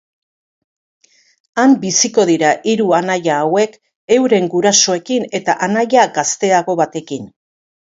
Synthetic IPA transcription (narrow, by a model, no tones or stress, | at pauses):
ambisiko̞ðiɾaʔiɾuanajaːwe̞k | e̞wɾe̞ŋɡuɾaso̞e̞kine̞t̪aʔanajaɡast̪e̞aɣo̞βat̪e̞kin